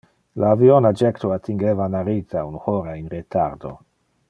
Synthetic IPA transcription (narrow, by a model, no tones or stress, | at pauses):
laːvionad͡ʒektoatiŋɡevanaɾizaunuhoɾainɾetʰa̰ɾdo̰